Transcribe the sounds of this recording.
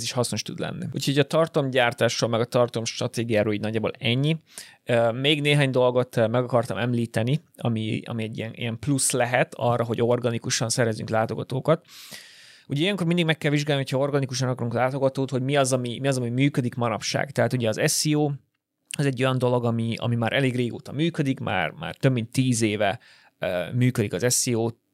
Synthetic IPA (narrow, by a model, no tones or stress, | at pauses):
ziʃhɒsno̞ʃt̪ṵd̪lɛ̰nːḭṵːcʰho̞ɟɒt̪ɒrt̪omɟaːrt̪aːʃroːlmɛɡɒt̪ɒrt̪omʃt̪rɒt̪eːɡijaːɾoliɟnɒɟːaːbo̰lɛɲːi | meːɡneːɦaːɲd̪o̞lɡo̞t̪mɛɡɒkɒrt̪ɒmɛmliːt̪ɛniɒ̰mḭɒ̰miɛɟːḭɛnḭjɛmpluslɛɦɛt̪ɒ̰rːɒɦo̞ɟo̞rɡɒnikuʃɒnsɛɾɛzːy̰ŋklaːt̪o̞ɡɒt̪oːkɒt̪ | uɟɛijɛŋko̞rmind̪iɡmɛkːɛlviʒɡaːlniɦocʰhɒo̞rɡɒnikuʃɒnɒkɒɾuŋklaːt̪o̞ɡɒt̪oːt̪ho̞ɟmiɒzɒmimiɒzɒmimyːkød̪ikmɒɾɒpʃa̰ːɡt̪ɛɦaːt̪uɟɛɒzɛsioː | ɛzɛɟːo̞jɒnd̪o̞lo̞ɡɒmiɒ̰mimaːɾʔɛleːɡreːɡo̰ːt̪ɒmyːkød̪ikmʔa̰ːrma̰ːrt̪ø̞bmint̪ːiːzeːvɛ | myːkød̪ikɒzɛsioːt̪